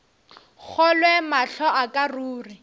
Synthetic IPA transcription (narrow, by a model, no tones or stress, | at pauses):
k͡xʰɔlwɛmaɬɔʔakʼaruːri